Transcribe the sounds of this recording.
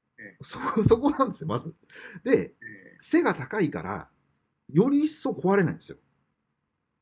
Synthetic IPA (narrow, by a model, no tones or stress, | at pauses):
soso̞ko̞nãnd̪esɨjo̞mazɨ | d̪e̞se̞ɡat̪akaika̰ɾa̰ | jo̞ɾʲiːsːo̞ko̞βaɾe̞na̰ĩnd̪sɨjo̰